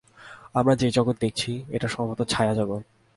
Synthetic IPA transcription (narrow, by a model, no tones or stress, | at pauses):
amɾad͡ʑed͡ʑɔɡot̪̚d̪ek̚t͡ɕʰieʈaʃɔmabot̪ot͡ɕʰaead͡ʑabo